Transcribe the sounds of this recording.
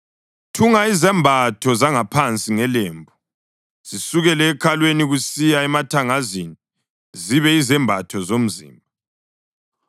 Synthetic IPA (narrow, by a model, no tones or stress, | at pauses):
tʰuŋaizɛmbʱatʰɔzaŋapʰant͡sʼiŋɛleːmbʱu | z̥isuɣɛlɛːkʰalweniɣusijaɛmatʰaŋazini | ziβɛizɛmbʱatʰɔzom̩zḭːmba